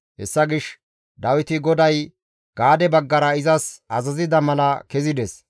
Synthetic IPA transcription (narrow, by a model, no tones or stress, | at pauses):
hɛ̰sːɐɡɪʃ | d̪ɐwɪt̪ɪɡɔd̪ɐj | ɡ̥aːd̪ɛbɐɡːɐɾɐɪzɐsɐzɐzɪd̪ɐmɐlɐkɛzɪd̪ɛs